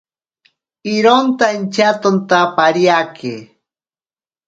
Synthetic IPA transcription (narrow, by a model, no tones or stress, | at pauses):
ɪɾont̪ant͡ʃat̪ont̪apaɾjakʰɪ̰